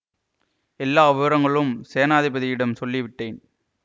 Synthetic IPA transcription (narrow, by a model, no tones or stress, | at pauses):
ɛlːaːʋɪʋɐɾɐŋɡɐɭɯmseːɐnaːðɪbɐðɪjɪɽɐmsɔlːɪʋɪʈːeːn